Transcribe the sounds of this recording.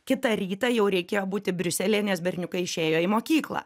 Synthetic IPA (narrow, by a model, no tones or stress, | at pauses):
kʲɪt̪ɐɾʲiːt̪ɑːjɛʊɾʲɛɪkʲeːjoːbuːt̪ʲɪbʲɾʲʊsʲɛlʲeːnʲɛsbʲɛɾʲnʲʊkɐɪɪʃʲeːjoːimoːkʲiːklˠɑ̰ː